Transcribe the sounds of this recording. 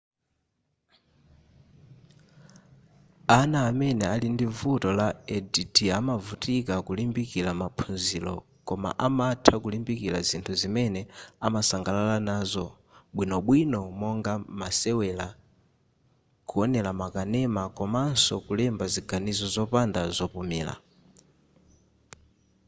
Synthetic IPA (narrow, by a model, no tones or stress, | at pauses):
anaːmɛnɛalindivutɔlaɛditiamavutikakulimbikilamapʰunzilɔ̰ | kɔma̰ʔamatʰakulimbikila̰zintʰuzimɛnɛamasaŋɡalalanaːzɔ | ɓwinɔɓwinɔmɔŋɡamasɛwɛla | kuɔnɛlamakanɛmakɔman̩sɔkulɛmbaziɡanizɔzɔpandazɔpumḭːla̰